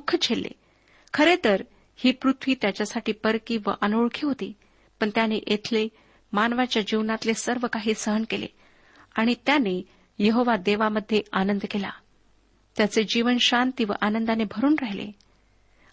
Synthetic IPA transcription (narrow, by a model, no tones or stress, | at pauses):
kʰːət͡ɕʰelːḛ | kʰəɾet̪əɾ | hiːpɾut̪ʰʋiːt̪jat͡ɕjasaʈiːpəɾkĩʋə̰ʔənoɭkʰiːɦot̪iː | pəɳt̪janeʔet̪ʰle | manʋat͡ɕjad͡ʑiʋnat̪lesəɾʋəkaɦiːsəɦənkelḛ | aɽ̃it̪jane | jeɦoʋad̪eʋaməd̪ʱːjeanənd̪kela̰ | t̪jat͡sed͡ʑiʋənɕant̪iʋə̰ʔanənd̪anebʱəɾuːnɾaɦilḛ